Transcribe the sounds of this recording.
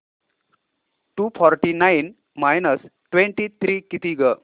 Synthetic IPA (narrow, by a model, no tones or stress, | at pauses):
ʈupʰɔɾʈinajn | majnəsʈʋẽɳʈit̪ʰɾikit̪iɡə